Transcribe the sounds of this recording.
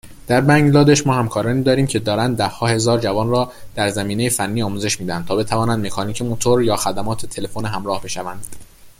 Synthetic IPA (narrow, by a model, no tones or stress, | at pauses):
d̪̥æɾbæŋɡlɒːd̪eʃmɒːhæmkʰɒːɾɒːniːd̪ɒːɾiːmcʰe̞d̪ɒːɾænd̪̚d̪ːæhːɒːhe̞zɒːɾd͡ʒævɒːnrɒːd̪̥æɾzæmiːne̞jefænːiːɒːmuːze̞ʃmiːd̪ænd̪t̪ʰɒːbe̞t̪ʰævɒːnænd̪me̞kʰɒːniːcʰemot̪ʰoɾjɒːxæd̪æmɒːt̪ʰet̪ʰe̞le̞foneɦæmɾɒːhbe̞ʃævænd̪̥